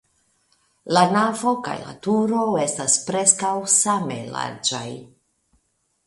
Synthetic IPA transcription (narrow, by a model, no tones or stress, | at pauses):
lanavo̞ka̰jla̰tuɾo̞e̞staspɾe̞skawsame̞̰la̰ɾd͡ʒa̰j